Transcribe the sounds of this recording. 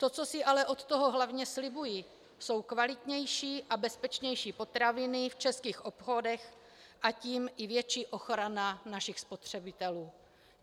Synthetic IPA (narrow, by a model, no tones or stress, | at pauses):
t̪o̞t͡so̞sɪʔalɛʔo̞t̪t̪oɦo̞ɦlavɲɛslɪbuji | so̞wkvalɪt̪ɲɛjʃiːʔabɛspɛt͡ʃɲɛjʃiːpo̞t̪ɾavɪnɪft͡ʃɛskiːxʔopxo̞dɛx | ʔaciːmʔɪvjɛt͡ʃiːʔo̞xɾananaʃɪxspot̪r̝̥ɛbɪt̪ɛluː